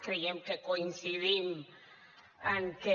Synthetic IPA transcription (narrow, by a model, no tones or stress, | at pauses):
kejeŋkekoinsiðin | aŋke